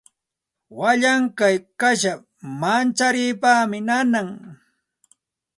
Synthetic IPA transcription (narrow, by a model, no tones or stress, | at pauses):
waʎaŋkajkaʃa | mant͡ʃaɾiːpaːmɪnanaŋ